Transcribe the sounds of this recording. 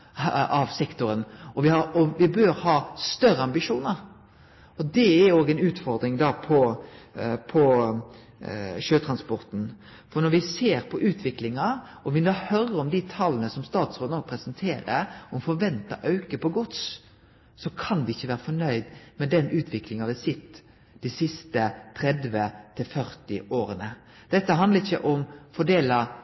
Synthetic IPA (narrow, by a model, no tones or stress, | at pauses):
ɑʋsɛkt̪ʊɾənɔʋɪhɑɔʋɪbøɾhɑːst̪œɾəɑmbɪʂuːnəɾ | ɔd̪ɛæɾoːɡəɛnʉːt̪fɔɾd̪ɾɪŋd̪ɑpʰɔ | pʰɔ | ʃøːt̪ʰɾɑnspɔɾt̪n̩ | fɔɾnɔɾʋɪseːɾpʰɔʔʉːt̪ʰʋɪklɪŋɑʔɔʋɪnoːhœɾəɾɔmd̪ɪt̪ʰɑlːənəsɔmst̪ɑːt̪sɾoːd̪noːɡ̚pʰɾɛsənt̪ʰeːɾə̰ɔmfɔɾʋɛnt̪ɑ̰ʔɑʉkəpɔɡʊt̪s | sɔkʰɑnʋɪɪçːəʋæːɾəfɔnœʏd̪mɛd̪ɛnʉːt̪ʰʋɪklɪŋɑʋɪsɪt̪ː | d̪̥ɪsɪst̪ət̪ʰɾɛd̪ʋət̪ʰɪlfœɾt̪ɪʔoːɾənə | d̪̥ɛt̪ːəɦɑnd̪əɪçːəʔɔmfɔɖ̪eːlɑ